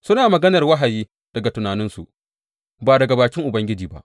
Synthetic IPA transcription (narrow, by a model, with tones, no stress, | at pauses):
sʊ˦naː˨mɐ˨ɡɐ˦nɐ˨rwɐ˦ɦa˨jiː˦ | d̥ɐ˨ɡa˨tʊ˨naː˨nɪ˦nsṵ˨ʔ | baː˨dɐ˨ɡa˨baː˨kʲɪ˦ŋʔʊ˨bɐ˦ŋɡʲɪ˦d͡ʒiː˨ba̰˦ʔ